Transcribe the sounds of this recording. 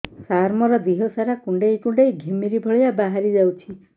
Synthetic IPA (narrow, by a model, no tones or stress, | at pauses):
sarmʌɾʌd̪iɦosaɾakuɳɖʌjkuɳɖʌjɡʱemiɾibʱʌɭjabaɦaɾid͡zawt͡sʰi